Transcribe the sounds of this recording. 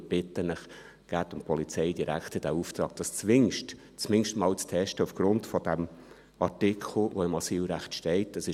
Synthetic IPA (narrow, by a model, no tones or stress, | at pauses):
b̥ɪtənəχ | ɡ̥æːt̪ʊmpʰɔlit͡sɛɪdiɾæ̰kχtəd̥æuft̪ɾɑ̰ːk̚d̥ɑst͡sʋɪŋʃt | t͡smɪŋʃtmɑːlt͡stʰɛʃtəufɡ̥ɾʊntfɔd̥æm | ɑtɪkʰl̩ˠʋoɪmɑsiːlɾæχtʃtɛɪtəsɪ